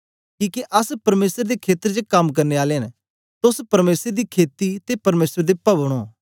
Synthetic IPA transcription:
kiːkeʔɐspɐɾmeːsəɾd̪ekʰeːt̪əɾd͡ʒəkɐmk̬ɐɾneaːleɦɐn | t̪ʊspɐɾmeːsɾd̪iːkʰeːt̪it̪epɐɾmeːsɾd̪epɐbɽ̃oː

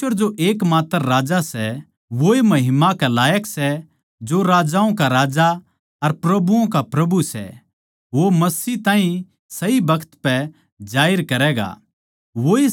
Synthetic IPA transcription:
əɾd͡ʒoʔeːkmaːt̪əɾːaːd͡ʒasɛ | ʋoemɐɦɪmakalaːjəksɛ | d͡ʒoɾaːd͡ʒaːõkaɾaːd͡ʒa | ɐɾpɾɐbuõk̬apɾɐbusɛ̰ | ʋomɐsiːt̪ãːɦĩ | sɐibɐkʰt̪pɛ | d͡ʒaːɪɾkɐɾɛːɡa̰ | ʋoe

